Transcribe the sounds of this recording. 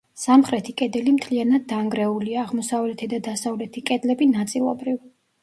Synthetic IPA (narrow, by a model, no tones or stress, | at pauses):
samχɾɛt̪ʰikʼɛd̪ɛlimt̪ʰlianad̪ːaŋɡɾɛuliaːʁmɔsavlɛt̪ʰɛd̪ad̪asavlɛt̪ʰikʼɛd̪lɛbinat̪sʼilˠɔbɾiv